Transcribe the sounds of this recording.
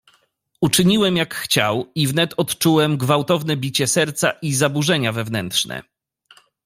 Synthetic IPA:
ut͡ʂɘɲiwɛmjakxt͡ɕa̰wivnɛt̪ɔt̪t͡ʂuwɛmɡvawt̪ɔvnɛbʲit͡ɕɛsɛɾt̪sa̰ʔizabuʐɛɲavɛvnɛntʂnɛ̰

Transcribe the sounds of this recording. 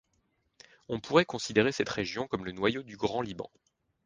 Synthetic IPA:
ɔ̃puʁɛkɔ̃sid̪eʁesɛt̪χeʒjɔ̃kɔmlənwajod̪yɡʁɑ̃libɑ̰̃

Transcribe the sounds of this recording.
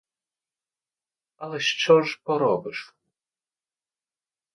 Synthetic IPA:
alɛʃt͡ʃɔʐpɔɾɔbɨʂ

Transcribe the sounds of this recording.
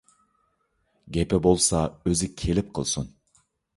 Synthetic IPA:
ɡʲɛpɛbolˠsɑøzɪkʲʰelɪp̚qʰəlˠsṵn

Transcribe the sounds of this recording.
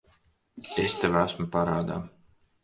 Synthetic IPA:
est̪ɛvæsmupaɾaːd̪a̰ː

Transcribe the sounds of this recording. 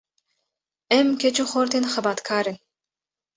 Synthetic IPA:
ɛmkʰɛt͡ʃʰuχɔɾt̪ʰɛnχəbat̪kʰaːɾɛn

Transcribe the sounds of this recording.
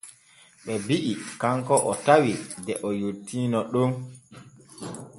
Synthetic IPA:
ɓɛbiʔikaŋkɔʔɔtawidɛʔɔjotʰːiːnɔɗon

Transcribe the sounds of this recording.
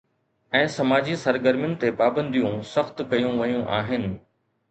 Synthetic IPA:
ɛ̃ːsɐmaːd͡ʑisɐɾɡəɾmjʊnɪ̆t̪epaːbə̃nd̪ʱijũsɐxt̪kɐjũʋɐjũʔaːɦɪnɪ̆

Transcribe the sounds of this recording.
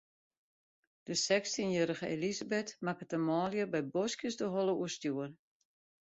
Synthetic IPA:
d̥əsɛkstinjøːɾəɣəelizabɛtmakətəmɔːljəbɛjbɔskjəsdəɦɔlˠəuəstjuən

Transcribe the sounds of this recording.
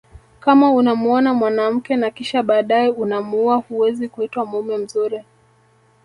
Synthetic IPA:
kamaunamuɔnamwanam̩kɛnakiʃaɓaːɗajɛunamuuahuwɛzikuitwamumɛm̩zuɾi

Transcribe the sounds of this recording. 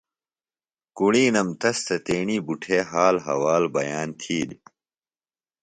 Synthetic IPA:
kuɽiːnɐmt̪ɐst̪ɐt̪eːɳiːbuʈʰeːɦaːlɦɐ̰waːlbɐjaːnt̪ʰiːd̪

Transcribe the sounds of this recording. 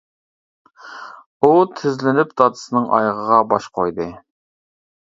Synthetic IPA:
ut̪ʰɪzlɪnɪp̚d̪ɑt̪ʰɨ̥sɨnɨŋɑ̰jʁəʁɑbɑʃqʰojd̪ɨ

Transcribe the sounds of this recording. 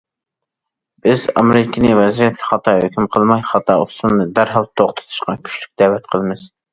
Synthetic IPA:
b̥ɪzɑ̰mɪɾɪkʲʰinɪvɛzijɛt̪̚kʲʰɛχɑt̪ʰɑhøkʲymqʰəlˠmɑjχɑt̪ʰɑ̰ust̪unnɨd̪æɾɦɑlˠt̪ʰoχt̪ʰɨ̥t̪ʰu̥ʃqɑnkʲʰy̥ʃlyk̚ʲd̪̥ɛwɛt̪qʰəlˠɨmɨz̥

